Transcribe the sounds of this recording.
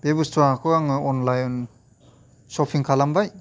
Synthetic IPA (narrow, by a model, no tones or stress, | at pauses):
bebustɾakʰɯaŋɯɔnlajɔn | sɔpʰiŋkʰalambaj